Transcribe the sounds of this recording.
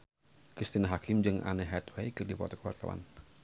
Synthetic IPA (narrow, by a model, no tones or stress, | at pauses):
kɾist̪inaɦakɪmd͡ʒɨŋʔa̰nɛɦɛt̪wejkɨrdipɔ̰t̪ɔkəwa̰rt̪a̰wa̰n